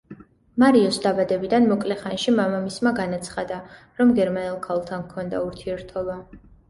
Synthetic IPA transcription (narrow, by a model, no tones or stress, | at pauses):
maɾiɔsd̪abad̪ɛbid̪anmɔkʼlɛχanʃimamamismaɡanat̪sʰχad̪a | ɾɔmɡɛɾmanɛlˠkʰalˠt̪ʰankʰɔnd̪a̰uɾt̪ʰiɛɾt̪ʰɔba